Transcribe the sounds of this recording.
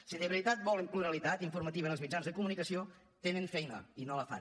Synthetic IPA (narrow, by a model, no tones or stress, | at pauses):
siðəβɾit̪at̪̚bɔləmpluɾəlit̪at̪iɱfurmət̪iβənəlˠzmid͡ʒanzðəkumunikəsio | t̪enəɱfɛjnə̰inoləfa̰